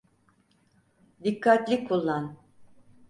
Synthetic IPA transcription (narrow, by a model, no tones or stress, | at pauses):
d̪ikʰːat̪lʲikʰːulˠːan